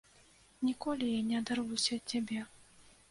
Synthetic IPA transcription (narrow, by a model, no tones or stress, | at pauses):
nʲikɔlʲijanʲɛɐd̪arvusʲɐt͡sʲabʲɛ